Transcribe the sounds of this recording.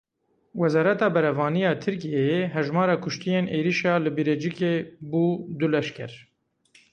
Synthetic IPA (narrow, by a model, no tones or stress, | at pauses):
wɛzɑːɾɛt̪ɑːbɛɾɛvɑːnijɑːt̪ʰɨɾkijeeɦɛʒmɑːɾɑːkʰʊʃt̪ijeːnʔeːɾiʃɑːlɨbiɾed͡ʒikeːbuːd̪ulɛʃkɛɾ